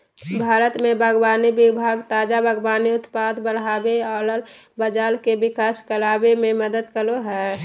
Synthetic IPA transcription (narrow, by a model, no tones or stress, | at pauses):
bʱaːɾət̪mẽbʱəɡbaːnibɪbʱaɡt̪aːd͡ʒabʱəɡbaːniʊt̪pad̪bəɽɦaːbealəlbəd͡ʒaːlkebɪkaːskəlaːbemẽməd̪əd̪kəloɦɛː